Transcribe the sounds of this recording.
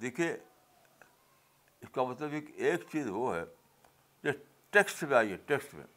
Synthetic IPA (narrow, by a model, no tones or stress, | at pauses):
d̪iːkʰie | ɪskamɐt̪ləbekeːkt͡ʃiːzɦoɦɛ̰ | d͡ʒe | ʈeksʈmẽaːiɦɛʈeksʈmḛ̃